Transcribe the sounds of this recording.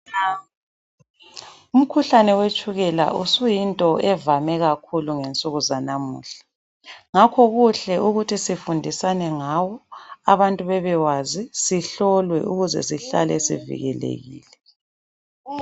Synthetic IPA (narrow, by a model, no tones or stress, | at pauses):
um̩kʰuɬanɛwet͡ʃʼuɣɛla̰ʔusujintʼɔɛvamɛɣakʰuluŋent͡sʼuɣuzanamṵːɬḁ | ŋakʰɔɣuɬɛʔuɣutʰisifundʱisanɛŋawɔa̰βantʼuβɛβɛwazisiɬɔlwɛ̰ʔuɣuzɛ̰siɬa̰lɛsḭvḭɣɛ̰lḛɣḭːlɛ